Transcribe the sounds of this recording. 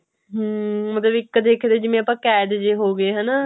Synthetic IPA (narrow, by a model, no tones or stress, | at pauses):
ɦəmət̪ləbɪkːəd̪eːkʰːd̪eːd͡ʒɪmẽːəpãːkɛːd̪d͡ʒeːɦoːɡeːɦənaː